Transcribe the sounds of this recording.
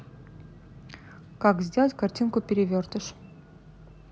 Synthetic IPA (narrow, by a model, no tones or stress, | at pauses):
kakzʲdʲelˠətʲkɐrtʲinkʊpʲɪɾʲɪvʲørt̪əʃ